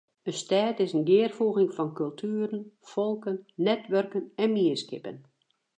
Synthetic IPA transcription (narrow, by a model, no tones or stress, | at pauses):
əstɛːtɪsənɡɪːərfuːɣɪŋfɔnkɵlˠtʰyːɾənfolˠkənːɛtʋørkənɛnmiəskɪpə̰n